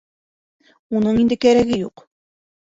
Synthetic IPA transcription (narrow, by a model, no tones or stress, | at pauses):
unɤɴind̪ɘkæɾæɡɘjuq